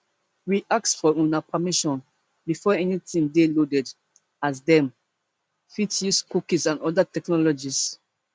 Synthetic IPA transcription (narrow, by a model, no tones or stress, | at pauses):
wiʔaksfɔũnapʰamiʃɔ̃n | bifɔɛnitĩmdelodɛd | asdɛ̃m | fitjuskukisãnɔdatɛknɔlɔd͡ʒis